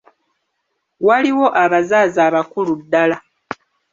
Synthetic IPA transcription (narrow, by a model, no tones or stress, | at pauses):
waliwo̞ʔaβazaːzaːβakuludːala